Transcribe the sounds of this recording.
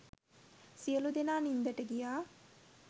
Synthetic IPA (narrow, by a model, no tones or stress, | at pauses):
sijəlud̪enaːnind̪əʈəɡijaː